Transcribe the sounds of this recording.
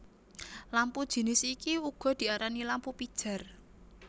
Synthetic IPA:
lampud̥ʒ̥i̤nɪsikiuɡ̥ɔ̤d̪̥i̤aɾanilampupid̥ʒ̥a̤r

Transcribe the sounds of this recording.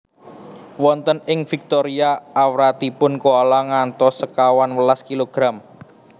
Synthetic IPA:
wɔnt̪ənɪŋfik̚t̪oɾiaːwɾat̪ipʊnkoalaŋant̪ɔsəkawanwəlaskiloɡ̥ɾam

